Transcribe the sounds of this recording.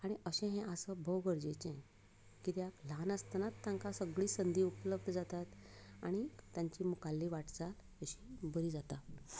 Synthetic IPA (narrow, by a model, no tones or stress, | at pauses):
aɽ̃iəɕɛ̃ɦɛ̃ʔəsəbʱowɡəɾd͡ʑet͡ɕɛ̃ | kit̪jaklanəst̪nat̪ːãŋkasəɡɭiːsənd̪ʱiːupləb̚d̪ʱəd͡zat̪at̪aɽ̃it̪jãɲt͡ɕiːmukalːiʋaʈt͡sal | əɕibəɾiːd͡zat̪a